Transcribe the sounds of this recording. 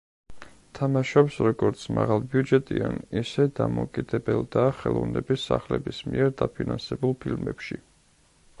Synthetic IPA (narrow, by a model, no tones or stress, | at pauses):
t̪ʰamaʃɔpsɾɔɡɔɾt̪sʰmaʁalˠbiud͡ʒɛt̪ʼianisɛd̪amɔkʼid̪ɛbɛlˠd̪aːχɛlˠɔvnɛbisːaχlɛbismiɛɾd̪apʰinansɛbulˠpʰilmɛpʃi